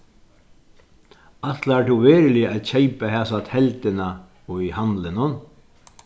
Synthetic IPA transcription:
at̪laʈʰuveːɾlɪaðçejpaɦɛːsat̪hɛlt̪ɪna | ɔihanlɪnʊn

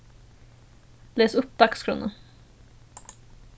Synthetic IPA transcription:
leːsɵpːd̪akskʰɾɵ̰nːə̰

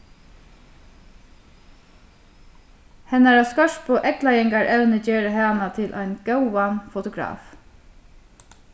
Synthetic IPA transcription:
hɛnæɹaskœʃt̪pʰoːʔɛklɑjɛŋɡɑɹʔɛlnəd͡ʒeːɹəhɛɑnɑt̪ʰɪlʔæ̰ɪnɡ̥aʊʋɑnfʊt̪ʊɡɾɑ̰ːf

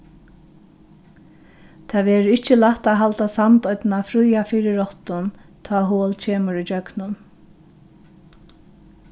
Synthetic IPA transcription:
t̪ʰaːʋɛːɾɪhcɪlaht̪aɦalt̪asamt̪ɔʏt̪nafɾujafiːɾɪɔht̪ʊnt̪ʰɔːɦoːlcʰeːmʊɾit͡ɕœknʊn

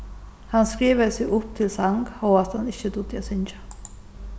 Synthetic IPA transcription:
hɑnskɾiːʋəsɪʔʊp̚t̪ʰɪlsɑŋɡoɑt̪hɑnɪçːəd̪ud̪ɛsɪnd͡ʒə̥

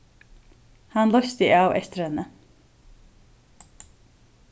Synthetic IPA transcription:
hanlœɥst̪ɪʔawɛ̰st̪ɪɾhɛnːə

